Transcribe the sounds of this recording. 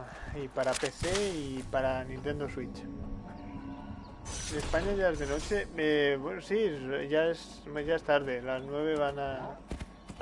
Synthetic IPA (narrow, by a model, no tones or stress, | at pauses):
ipaɾapeθeipaɾanĩnt̪e̞nd̪oswit͡ʃ | espaɲaʝaezðeno̞t͡ʃeeβwenosiʝaes | ʝaest̪aɾðelaznwe̞β̞e̞βana